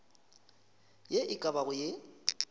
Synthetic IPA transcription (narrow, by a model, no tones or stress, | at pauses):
jeʔɪkʼabaɣʊje